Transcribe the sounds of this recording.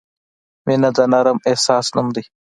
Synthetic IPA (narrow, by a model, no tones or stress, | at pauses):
menɐd̪ɐnɐɾɐmehsaːsnumd̪i